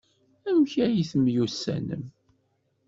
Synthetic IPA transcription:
æwçæjiθəmjusːæ̰nə̰m

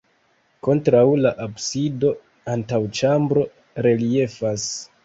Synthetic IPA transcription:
ko̞ntɾawlaʔabsido̞ | antawt͡ʃambɾo̞ | ɾe̞lie̞fas

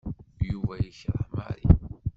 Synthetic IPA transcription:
juvæjiçɾˤama̰ɾḭ

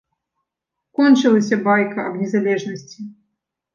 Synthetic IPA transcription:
kɔnʲt͡ʃɨlˠɐsʲɐbajkɐɐbnʲɛzalʲɛʐnɐsʲt͡sʲi

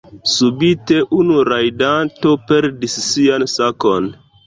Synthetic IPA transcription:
subite̞ʔunuɾajdanto̞pe̞ɾdisːiansakon

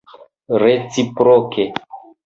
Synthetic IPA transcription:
ɾet͡sipɾoke

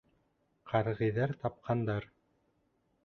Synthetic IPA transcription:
qʰɑɾʁɤ̆jðɑɾt̪ɑp̚qʰɑnd̪ɑɾ

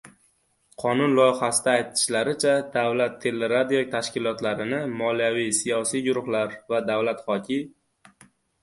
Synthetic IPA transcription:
qʰɒnʊnlˠɒjɪχasɪd̪aːjt̪ʰɪ̥ʃlaɾɪt͡ʃʰad̪avlat̪ʰːe̞lːeɾad̪iok̚t̪ʰaʃkʲɪlˠɒt̪laɾɪnɪmɒlijavijsijɒsijɡʊɾʊχlaɾvad̪avlat̪χɒkʲʰɪ

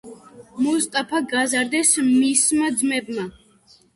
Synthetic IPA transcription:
mɔst̪ʼapʰaɡazaɾd̪ɛsmismad̪zmɛbma

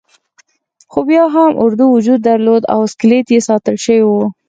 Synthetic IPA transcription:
xobjɑɦamʔʊɾd̪uwʊd͡ʒud̪̚ːaɾlod̪a̰wsklet̪jesɑt̪əlʃəwiwu

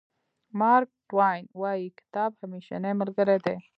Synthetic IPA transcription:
mɑɾk̚ʈwajnwajikɪ̥t̪ɑːbhamiʃa̰neməɾɡəɾed̪e

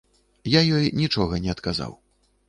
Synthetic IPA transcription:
jajɔjnʲit͡ʂɔɣɐnʲɛɐt̪kaza̰w

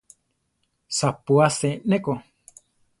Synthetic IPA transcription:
sapuasẽnẽko

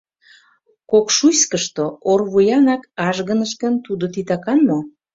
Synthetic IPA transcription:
kokʃuskəʃt̪oorβujɑnɑkɑʒɣənəʃkənt̪ud̪ot̪it̪ɑkɑnmo

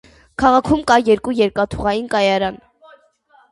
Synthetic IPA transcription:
kʰɑʁɑkʰumkɑjɛɾkujɛɾkɑt̪ʰuʁɑjinkɑjɑɾɑn

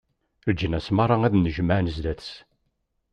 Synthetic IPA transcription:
ɾd͡ʒənæsmɑɾˤɑæðnəʒəmaʕnəzd̪æθs

